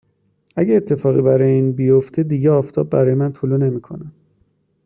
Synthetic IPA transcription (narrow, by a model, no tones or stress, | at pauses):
ʔæɟeːt̪ʰːe̞fɒːɣḭbæɾɒjeiːnbijoft̪ʰed̪iːɟeɒːft̪ʰɒ̰b̚ːæɾɒːjemænt̪ʰulune̞miːkʰo̞̰næm